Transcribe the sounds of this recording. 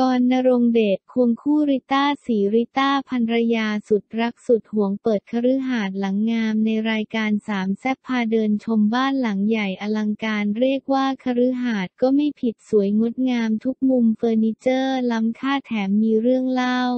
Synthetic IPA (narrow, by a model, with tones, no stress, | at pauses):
kɔː˧nːa˧ɾo˧ŋdeː˨˩t̪̚kʰu˧əŋkʰuː˥˩ɾi˦˥t̪aː˥˩siː˩˦ɾi˦˥t̪aː˥˩pʰa˧nɾa˧jaː˧su˨˩t̪̚ɾa˦˥k̚su˨˩t̪̚hu˩˦əŋpɤː˨˩t̪̚kʰa˧ɾɯ˦˥ɦaː˨˩t̪̚la˩˦ŋːaː˧mna˧jɾaː˧jkaː˧nsaː˩˦msɛ˦˥pʰːaː˧dɤː˧nt͡ɕʰo˧mbaː˥˩nla˩˦ŋja˨˩jʔa˧la˧ŋkaː˧nɾi˥˩ək̚waː˥˩kʰa˧ɾɯ˦˥ɦaː˨˩t̪̚kɔː˥˩ma˥˩jpʰi˨˩t̪̚su˩˦əjŋo˦˥t̪̚ŋaː˧mt̪ʰu˦˥k̚mu˧mfɤː˧niː˦˧˥t͡ɕɤː˥˩la˦˥mkʰaː˥˩t̪ʰɛː˩˦mːiː˧ɾɯ˥˩əŋla˥˩w